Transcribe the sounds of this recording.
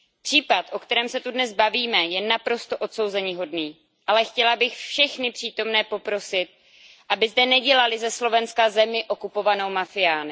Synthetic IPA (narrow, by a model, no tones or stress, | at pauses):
pr̝̥iːpat̪ʔo̞kt̪ɛɾɛːmsɛt̪udnɛzbaviːmɛjɛnapɾo̞st̪o̞ʔo̞t̪so̞wzɛɲɪɦo̞dniː | ʔalɛxcɛlabɪxfʃɛxnɪpr̝̥iːt̪o̞mnɛːpo̞pɾo̞sɪt̪̚ | ʔabɪzdɛnɛɟɛlalɪzɛslo̞vɛnskazɛmɪʔo̞kupo̞vano̞wmafɪjaːnɪ